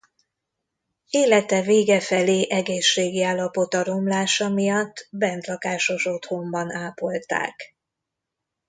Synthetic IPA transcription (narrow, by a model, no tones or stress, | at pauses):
eːlɛt̪ɛveːɡɛfɛleːʔɛɡeːʃːeːɡiaːlːɒpo̞t̪ɒɾo̞mlaːʃɒmijɒt̪ːbɛnt̪lɒkaːʃo̞ʃo̞t̪ho̞mbɒnaːpo̞lt̪a̰ːk